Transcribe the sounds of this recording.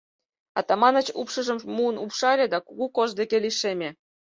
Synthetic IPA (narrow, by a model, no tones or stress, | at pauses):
ɑ̰t̪ɑmɑnət͡ɕupʃə̆ʒə̆mmuənupʃɑlʲed̪ɑkuɣukozd̪ekeliʃemʲe